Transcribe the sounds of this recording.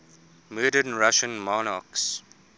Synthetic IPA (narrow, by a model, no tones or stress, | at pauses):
mɜːdənɹaʃə̃nmɔnaks